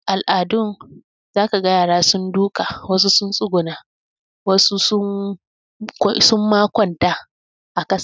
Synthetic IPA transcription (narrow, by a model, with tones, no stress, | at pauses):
ʔa˨lʔaː˨dʊ˦n | zaː˦ka˨ɡɐ˦jaː˨ɽaː˦sʊ˦nduː˦ka˨wɐ˦s̬u˦sʊ˦nsʼʊ˦ɡʷʊ˨naː˨˦ | wɐ˦su˦sʊ˦ŋ | ksʊ˦mːaː˦kʷɔ˨ntaː˦ | ʔa˨kɐ˦s